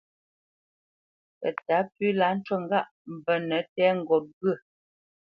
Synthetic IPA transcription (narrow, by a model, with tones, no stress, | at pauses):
pə̰˨ta˨˦pʉː˦la˨˦n̩˦twə˦˨ŋ̩˨ɡa˦˨ʔ | m̩˨bə˨nə˨˦tɛː˦ŋ̩˨ɡɔ˨p̚bɰə˦˨